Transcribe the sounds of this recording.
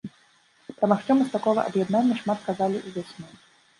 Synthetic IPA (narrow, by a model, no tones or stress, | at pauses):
pɾɐmaxt͡ʃɔmɨst̪akɔɣɐ̰ʔɐ̰bjɛd̪nanʲːɐʂmat̪kazalʲiʔuvʲasʲnu